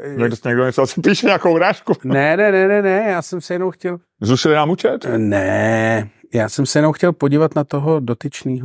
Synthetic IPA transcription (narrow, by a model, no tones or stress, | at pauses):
ɲɛɡdosɲɛɡdoɲɛt͡soasɪ̥piːʃɛɲɛakowuɾaːʃkunɛnɛnɛnɛnɛjaːsɛmsɛjɛnowxcɛl | zuʃɪlɪnaːmut͡ʃɛt̪nɛ | jaːsɛmsɛjɛnowxcɛlpoɟiːvat̪nat̪oɦo̞do̞t̪ɪt͡ʃniːɦo